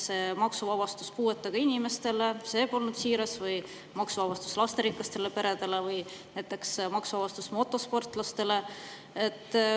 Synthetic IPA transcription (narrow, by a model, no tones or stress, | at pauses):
se̞ːmɑksuvɑbɑst̪u̥skuːe̞t̪ːˑɑɡ̥ɑinʲime̞st̪e̞le̞se̞ːpo̞lnud̪̥siːɾɑsvɯj | mɑksuvɑbɑst̪u̥slɑst̪e̞ɾiklɑst̪e̞le̞pe̞ɾe̞d̪e̞le̞vɯjnæjt̪ːˑe̞ksmɑksuvɑbɑst̪usmo̞t̪ːˑo̞spo̞rt̪ːˑlɑst̪e̞le̞ | e̞t̪ːˑ